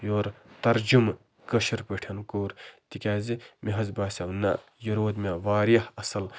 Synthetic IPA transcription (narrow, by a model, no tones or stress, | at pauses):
joːɾt̪ɐɾd͡ʒum | kɐʃɐɾpəʈʰɐnkoːɾt̪ikʲaːzimiɦɐzbaːsaunːa̰ | jɐɾoːd̪mʲeʋaːɾijɐhɐsɐl